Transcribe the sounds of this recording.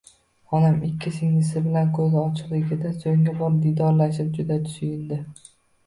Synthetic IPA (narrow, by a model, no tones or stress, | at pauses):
ɒnamɪkʲʰːɪsɪŋɪsɪbɪlankʰɵzɒt͡ʃʰɪ̥qlˠɪɡʲɪd̪asoŋɡʲabɒɾd̪id̪ɒɾlaʃɪp̚d͡ʒʊd̪at̪ʰʊ̥ʃʊjɪnd̪ɪ